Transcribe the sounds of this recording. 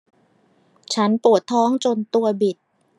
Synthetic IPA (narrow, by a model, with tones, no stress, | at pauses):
t͡ɕʰa˦˥npu˨˩ət̪ʰːɔː˦˥ŋt͡ɕo˧nt̪u˧ɐbi˨˩t̪̚